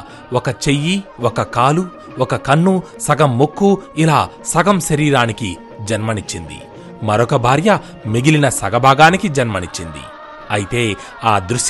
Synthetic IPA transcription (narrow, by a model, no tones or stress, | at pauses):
ɔkɐt͡ʃe̞jːiwɔkɐkaːlu | ɔkɐkɐnːu | sɐɡɐmːokːuilaː | sɐɡɐmʃɐɾiːɾaːniki | d͡ʒɐnmɐnit͡ʃːind̪ḭ | mɐɾɔkɐbʱaːɾjɐ | meɡilinɐsɐɡɐbʱaːɡaːnikid͡ʒɐnmɐnit͡ʃːind̪ḭ | ɐjit̪e̞ː | aːd̪ɾuʂ